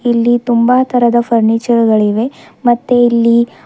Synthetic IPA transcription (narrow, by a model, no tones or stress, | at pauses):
ilːit̪umbaːt̪ʰɐɾɐd̪ɐfʰɐɾnit͡ʃɐɾɡɐɭiʋe̞mɐt̪ːeilːi